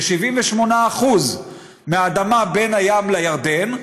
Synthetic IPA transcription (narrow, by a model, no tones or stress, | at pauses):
ʃiviɱveʃmo̞naːχuz | meaːd̪amabe̞najamlajaʁd̪e̞n